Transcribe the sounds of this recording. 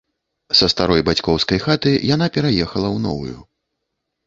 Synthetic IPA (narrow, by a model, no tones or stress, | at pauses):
sɐst̪aɾɔjbat͡sʲkɔwskɐjxat̪ɨjan̪apʲɛɾajɛxɐlˠɐwnɔ̰vṵjṵ